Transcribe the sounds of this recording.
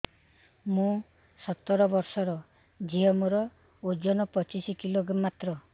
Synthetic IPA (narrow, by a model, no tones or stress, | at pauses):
mũ | sɔt̪ːɔɾɔbɔɾsɔɾɔ | d͡ʒiɔmuɾɔ | ud͡ʒɔnɔpɔt͡ʃisikiloɡɾamːat̪ɾɔ